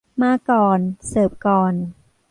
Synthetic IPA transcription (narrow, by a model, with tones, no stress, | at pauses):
maː˧˥˩kɔː˨˩nsɤː˨˩p̚kɔː˨˩n